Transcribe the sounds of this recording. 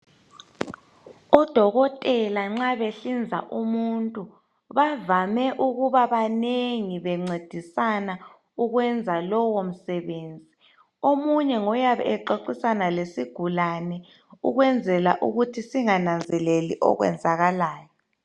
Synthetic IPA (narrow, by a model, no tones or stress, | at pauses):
ɔd̥ʱɔɣɔtʼɛlaŋ͡ǁaβeɬind͡zʱa̰ʔumuntʼu | βavamɛʔuɣuβaβaneŋiβɛŋ͡ǀed̥ʱisana | uɣwɛnd͡zʱalɔwom̩sɛβeːnd͡zʱi | omuɲɛŋɔjaβɛ̰ɛǃoǀisanalesiɡ̥ʱulanɛ | uɣwɛnd͡zʱɛlaʔuɣutʰisiŋanand͡zʱɛlelḭʔɔ̰ɣwɛ̰nd͡zʱaɣalaːjɔ